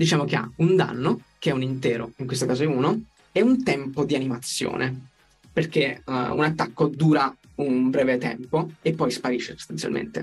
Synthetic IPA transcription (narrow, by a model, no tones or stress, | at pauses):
d̪it͡ʃaːmokea̰und̪a̰nːok̟eɛunint̪ɛːɾoiŋkwest̪okaːzoiuːno | eunt̪ɛmpod̪ianimat̪sːjo̰ːnʔe | perk̟eṵnat̪ːakːod̪uːɾa | unbɾɛːvet̪ɛ̰mpoepːɔjspaɾiːʃːeso̥st̪ant̪ja̰lmʔḛnt̪ḛ